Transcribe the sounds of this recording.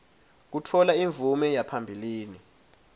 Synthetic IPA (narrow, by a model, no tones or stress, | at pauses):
k̬utʰɔlaiɱvʱumɛjapʰambʱiliːni